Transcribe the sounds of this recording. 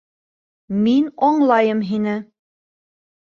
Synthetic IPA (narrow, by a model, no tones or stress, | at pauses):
minɒɴlˠɑjɤmɦinɘ